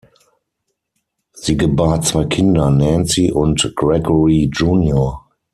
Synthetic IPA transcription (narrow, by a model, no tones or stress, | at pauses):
z̥iːɡəbaɐt͡sv̥aɪkʰɪndɐnɛ̃nt͡siʔʊntɡ̥ʁɛɡɔɹid͡ʒuːnjoɐ